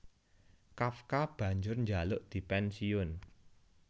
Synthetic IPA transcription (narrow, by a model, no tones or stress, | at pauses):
kafkab̥ä̤ɲd͡ʒʊrɲd͡ʒalʊʔd̪̥i̤pɛnsiʊn